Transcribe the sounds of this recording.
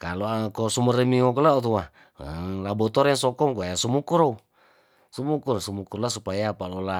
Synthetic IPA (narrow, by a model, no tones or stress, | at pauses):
kaloakɔsuməɾemiŋɔkɔlaɔt̪ua | labɔt̪ɔɾɛŋsɔkɔmkuaasumukuɾou | sumukuɾsumukurlasupajapalɔla